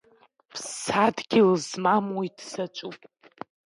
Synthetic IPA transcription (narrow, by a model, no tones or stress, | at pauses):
pʰsadɡʲɪlzmamwoidsat͡ʃʷʼupʼ